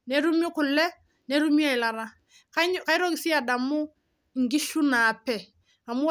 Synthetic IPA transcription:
ne˦ɾu˦mi˦kʊ˨lːɛ˦ | ne˦ɾu˦mi˦a˦ɪ˨la˨ɾa˦ | kaka˨i˦ɾo˦kɪ˨si˦a˨da˨mʊ˦ | ŋ̩˨ɡi˦ʃu˦na˨pɛ˨ | a˨mʊ˦

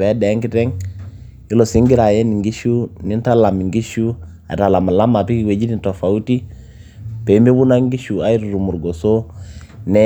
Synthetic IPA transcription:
ɛ˨˦dɛ˨˦ŋki˦tɛ˦ŋ | i˦lo˨si˦ŋɡi˦ɾa˨jɛ˦ni˨ŋɡi˦ʃu˦ni˦n˦ta˦la˨mi˨ŋɡi˦ʃu˦ | a̰˨ɾa˨la˨ma˨la˦ma˨pi˦ki˨we˨d͡ʒi˦ni˦n˨to˨fa˨u˦ti˦ | pe˨˦mi˦bu˦na˦ŋɡi˦ʃu˨a˦i˦ɾu˨ɾu˨mu˨ɾɡo˨so˦nɛ˦

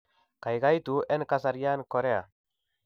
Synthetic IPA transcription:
ka˨jɡa˦jt̪u˨e˦nka˦s̬a˨ɾja˦nkɔ˨ɾe˦a̰˨

